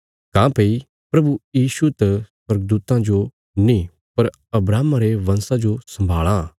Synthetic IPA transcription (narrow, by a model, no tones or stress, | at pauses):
kãːpei | pɾɐbujiːʃut̪ɐsɐɾɡ̚d̪uːt̪ãd͡ʒo | nĩ | pɐɾ | ɐbɾaːmaɾeʋɐ̃nsad͡ʒosɐ̃mbʱaːɭã